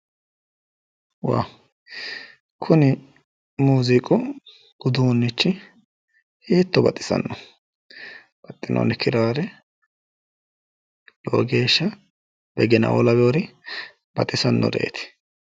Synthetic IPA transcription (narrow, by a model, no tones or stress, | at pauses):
wa̰ | kʰʊnɪ | muːzɪkʼʊ | ɡ̥ʊd̪unːɪt͡ʃːɪ | heːt̪ːɔbɐt̪ʼːɪ̥sɐ̰nːɔ | b̥ɐt̪ʼːɪnʔo̰ːnɪkʰɪɾaːɾɛ | lo̰ːɡe̞ːʃːɐ | b̥ɛɡɛnɐ̰wɔ̰lɐbɛwɾɪ | b̥ɐt̪ʼːɪsɐnːɔ̰ɾḛːt̪ɪ̥